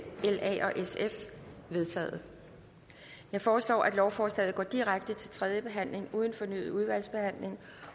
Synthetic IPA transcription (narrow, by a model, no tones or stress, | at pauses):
elɛ̰ʔɒ̽ʔesefʋe̝ð̞ˠt͡sʰɛ̰ːð̩ˠ | jɑ̈ɪfɒːslɒ̰ːʔæd̥lɒʊfɒːslɛ̰ːð̩ˠɡɒ̰ːd̥iʁaɡ̥̚d̥ət͡sʰe̝lt͡sʰʁɛð̞ˠjəb̥e̝ɦæn̰le̝ŋuːð̞ˠn̩fɒ̽ny̰ːuð̞ˠʋæl̰sb̥e̝hæn̰le̝ŋ